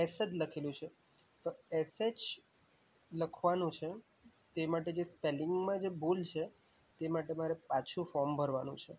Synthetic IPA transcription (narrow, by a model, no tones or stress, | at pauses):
ɛsəd͡ʒləkʰelũt͡ʃʰe | t̪oɛsed͡ʒ | ləkʰʋanũt͡ʃʰe | t̪emaʈed͡ʒespelɪŋɡmãd͡ʒebolt͡ʃʰe | t̪emaʈemaɾepat͡ʃʰũfɔɾmbʱəɾʋanṵ̃t͡ʃʰe